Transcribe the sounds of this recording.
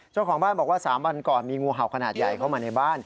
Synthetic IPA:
t͡ɕa˥˩wkʰɔː˩˦ŋbaː˥˩nbɔː˨˩k̚waː˥˩saː˩˦mwa˧nkɔː˨˩nmiː˧ŋuː˧ɦa˨˩wkʰa˧naː˨˩t̪̚ja˨˩jkʰa˥˩wmaː˧na˧jbaː˥˩n

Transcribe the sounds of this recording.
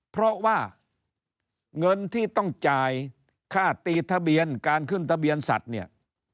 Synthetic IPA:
pʰɾɔ˦˥waː˥˩ | ŋɤ˧nt̪ʰiː˥˩t̪ɔ˥˩ŋt͡ɕaː˧j | kʰaː˥˩t̪iː˧t̪ʰa˧bi˧ənkaː˧nkʰɯ˥˩nt̪ʰa˧bi˧ənsa̰˨˩t̪̚ni˥˩ɐ

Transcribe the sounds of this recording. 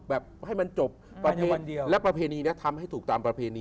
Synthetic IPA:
bɛː˨˩p̚ha˥˩jma˧nt͡ɕo˨˩p̚ːɾa˧pʰːa˧ndi˧əwlɛ˦˥pɾa˧pʰeː˧niː˧ni˦˥ɐt̪ʰa˧mha˥˩jt̪ʰuː˨˩k̚t̪aː˧mpɾa˧pʰeː˧niː˧

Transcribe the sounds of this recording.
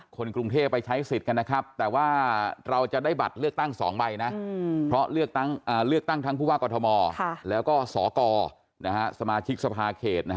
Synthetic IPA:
kʰo˧nkɾu˧ŋt̪ʰeː˥˩pːa˧jt͡ɕʰa˦˥jsi˨˩t̪̚ka˧nːa˦˥kʰɾa˦˥p̚t̪ɛː˨˩waː˥˩ɾa˧wt͡ɕa˨˩daː˥˩jba˨˩t̪̚lɯ˥˩ək̚t̪a˥˩ŋsɔ̰ː˩˦ŋba˧jna˦˥ʔpʰɾɔ˦˥lɯ˥˩ək̚t̪a˥˩ŋʔaː˨˩lɯ˥˩ək̚t̪a˥˩ŋt̪ʰa˦˥ŋpʰuː˥˩waː˥˩kɔː˧t̪ʰɔ˧mɔː˧˥˩lɛː˦˥wkɔː˥˩sɔː˩˦kɔː˧ | na˦˥kʰa˦˥sa˧maː˧t͡ɕʰi˦˥k̚sa˧pʰaː˧kʰeː˨˩t̪̚na˦˥˦

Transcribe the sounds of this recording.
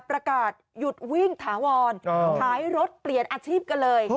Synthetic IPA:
pɾa˧kaː˨˩t̪̚ju˨˩t̪̚wi˥˩ŋt̪ʰaː˩˦wɔː˧n˧tʰaː˩˦jɾo˦˥t̪̚pli˨˩ənʔaː˧t͡ɕʰiː˥˩p̚ka˧nlɤː˧j

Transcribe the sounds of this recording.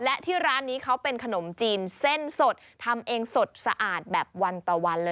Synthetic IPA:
lɛ˦˥t̪ʰiː˥˩ɾaː˦˥nːiː˦˥kʰa˦˥wpe˧nkʰa˧no˩˦mt͡ɕiː˧nse˥˩nso˨˩t̪̚ʰːa˧mʔeː˧ŋso˨˩t̪̚sa̰˧ʔaː˨˩t̪̚bɛː˨˩p̚wa˧nt̪ɔː˨˩wa˧nlɤː˧

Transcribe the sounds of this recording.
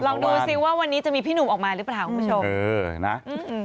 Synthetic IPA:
lɔː˧ŋduː˧si˨˩waː˥˩wa˧nːiː˦˥t͡ɕa˨˩ʔmiː˧pʰiː˥˩nuː˨˩ʔɔː˨˩k̚maː˧ɾɯ˦˥plaː˨˩wkʰu˧˩u˥t͡ɕʰo˧mɤː˧na̰˦˥ʔɯ˧

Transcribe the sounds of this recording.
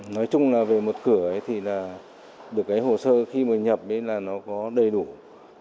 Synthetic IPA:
nɔ˨˦jt͡ɕʊ˧ŋ͡mlaː˨˩ve˨˩mo˨˩t̚kɨ˧˩əʔə˨˦jt̪ʰi˨˩laː˨˩ | ɗɨ˨˩əkːaː˨˦jɦo˨˩səː˧xi˧mɨː˨˩ɲə˨˩p̚ʔə˨˦laː˨˩nɔ˨˦kɔ˨˦ɗə˨˩jɗu˧˩

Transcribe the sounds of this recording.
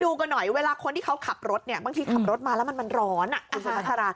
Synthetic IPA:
duː˧ka˧nɔ˨˩jweː˧laː˧kʰo˧nt̪ʰiː˥˩kʰa˦˥wkʰa˨˩p̚ɾo˦˥t̪̚ni˥˩ɐbaː˧t̪ʰiː˧kʰa˨˩p̚ɾo˦˥t̪̚maː˧lɛː˦˥wma˧nma˧nɾɔː˦˥nʔa˨kʰːsʰa˧ma˦˥sʰa˧ɾaː˧

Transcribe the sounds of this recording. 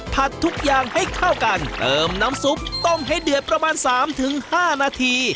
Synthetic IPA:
pʰa˨˩t̪ʰːu˦˥k̚jaː˨˩ŋha˥˩jkʰa˥˩wka˧nt̪ɤː˧mna˦˥msu˨˦˥mt̪o˥˩mɦa˥˩jdɯ˨˩ət̪̚pɾa˧maː˧nsaː˩˦mt̪ʰɯ˩˦ŋhaː˥˩naː˧t̪ʰiː˧

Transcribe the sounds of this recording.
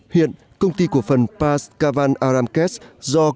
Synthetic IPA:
hḭ˧˨ən | kə˧wŋ͡mt̪i˧ku˧˩əfə˨˩npaː˧skaː˧vaː˧nʔaː˧ɾaː˧mkɛ˦˥szɔ˧

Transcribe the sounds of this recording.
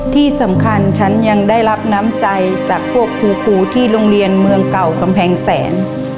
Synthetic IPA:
t̪ʰiː˥˩sa˩˦mkʰa˧nt͡ɕʰa˦˥nja˧ŋdaː˥˩jla˦˥p̚naː˦˥mt͡ɕa˧jt͡ɕaː˨˩k̚pʰu˥˩ək̚ʰːuː˧kʰuː˧t̪ʰiː˥˩loː˧ŋɾi˧ənmɯ˧əŋka˨˩wka˧mpʰɛː˧ŋsɛː˩˦n

